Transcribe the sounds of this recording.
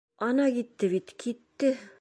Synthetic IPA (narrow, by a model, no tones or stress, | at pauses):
ɒnɑkit̪ːɘβit̪kʰit̪ːɘ